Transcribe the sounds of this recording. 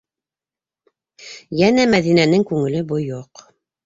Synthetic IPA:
jænæmæðinænɘŋkʉŋɘ̆lɘbujuq

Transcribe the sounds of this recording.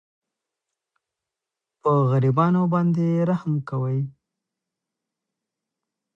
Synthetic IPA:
pəɣaɾibɑnobɑnd̪eɾahmkawəj

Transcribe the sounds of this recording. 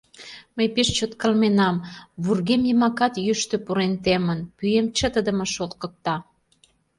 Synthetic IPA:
məjpeʃt͡ɕot̪kɑlmenɑmβurɣemjəmɑkɑt̪jyʃt̪ø̆puɾent̪emənpyemt͡ɕət̪əd̪ə̆mɤ̆ʃolkə̆k̚t̪ɑ

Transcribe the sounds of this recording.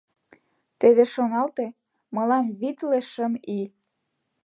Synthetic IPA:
t̪eβeʃonɑlt̪e | mɤ̆lɑmβit̪leʃəmi

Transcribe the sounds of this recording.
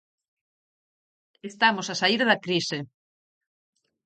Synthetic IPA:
est̪amosasaiɾðɐkɾise

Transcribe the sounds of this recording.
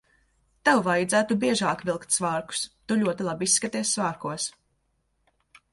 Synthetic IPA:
t̪awvajd̪zæːt̪ubiɛʒɑːkvilˠkt̪svaːɾku̥st̪uʎʲuɔt̪ilˠabisːkat̪iɛssvaːɾkuɔs

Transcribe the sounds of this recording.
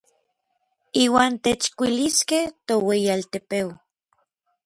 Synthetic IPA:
iːwaːnt̪et͡ʃkʷiliskeht̪owejialt̪epew

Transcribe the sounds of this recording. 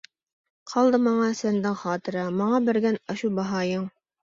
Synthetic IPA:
qʰɑlˠd̪ɤmɑ̆ɴɑsænd̪ɘɴχɑt̪ɤ̆ɾɑmɤ̆ɴɑbɘ̆ɾɡænɑɕubɑɦɑjɤɴ

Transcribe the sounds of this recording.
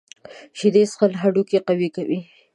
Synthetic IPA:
ʃid̪esxalɦaɖukeqawikawi

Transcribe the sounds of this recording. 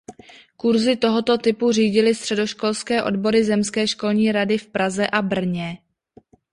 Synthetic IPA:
kuɾzɪt̪o̞ɦo̞t̪o̞t̪ɪpur̝iːɟɪlɪst̪r̝̥ɛdo̞ʃko̞lskɛːʔo̞̰dbo̞ɾɪzɛmskɛːʃko̞lɲiːɾadɪfpɾazɛʔabr̩ɲɛ

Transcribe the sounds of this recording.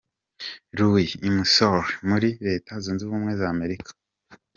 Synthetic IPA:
ɾuiːmusoɾmuɾiɾe̞ːtaziːnzuβuːmŋe̞zaːme̞ɾikḁ

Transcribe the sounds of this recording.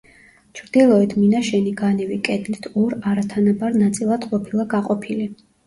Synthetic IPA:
t͡ʃʰɾd̪̥ilˠɔɛt̪ʰminaʃɛniɡanɛvikʼɛd̪lit̪ʰuɾaɾat̪ʰanabaɾnat̪sʼilˠad̪qʼɔpʰilˠaɡaqʼɔpʰili

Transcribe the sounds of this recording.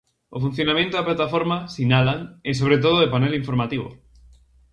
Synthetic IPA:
ofun̟θjonamẽnt̪oðaplat̪afoɾmasinalaŋes̬oβɾet̪̬oð̞oðepanɛliɱfoɾmat̪iβ̞o̰

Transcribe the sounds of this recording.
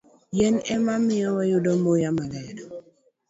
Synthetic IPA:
jɛnɛmamɪɔwajʊdɔmojamalɛdɔ

